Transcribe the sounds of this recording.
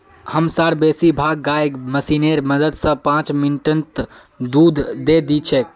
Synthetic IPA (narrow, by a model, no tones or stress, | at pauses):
həmsaɾbesibʱaːɡːajɡməsineɾməd̪əd̪sə̃pãːt͡ʃminʈənt̪ | d̪uːd̪ʱd̪ed̪it͡ʃʰɛk